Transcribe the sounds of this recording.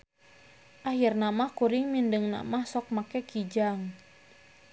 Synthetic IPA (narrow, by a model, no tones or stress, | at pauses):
ʔaɦirnamahkuɾiŋmindəŋna̰mahsɔk̚makɛkid͡ʒaŋ